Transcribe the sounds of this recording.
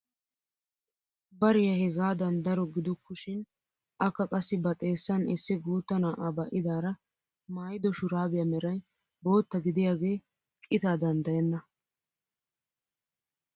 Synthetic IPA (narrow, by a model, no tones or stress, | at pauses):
bɐɾɪjɐhɛɡaːd̪ɐnd̪ɐɾɔɡɪd̪ʊkːʊʃɪn | ʔɐkːɐkʼɐsːɪbɐt̪ʼe̞ːsːɐnɪsːɪɡuːt̪ːɐnaːʔabɐʔɪd̪aːɾɐ | maːjɪd̪ɔʃʊɾaːbɪjɐmɛɾɐj | bo̞ːt̪ːɐɡɪd̪ɪjaːɡe̞ː | kʼɪt̪aːd̪ɐnd̪ɐjɛnːɐ